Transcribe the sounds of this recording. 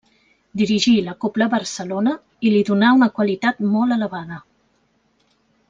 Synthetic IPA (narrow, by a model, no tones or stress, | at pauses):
d̪iɾiʒiləkopləβəɾsəlonə | iliðunaunəkwəlit̪at̪mɔlˠələβaðə